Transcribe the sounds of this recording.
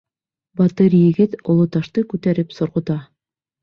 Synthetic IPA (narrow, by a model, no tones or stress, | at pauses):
bɑt̪ɤɾjɘ̆ɡɘt̪ŏlˠot̪ɑʃt̪ɤkʉt̪æɾɘpsŏɾʁŏt̪ɑ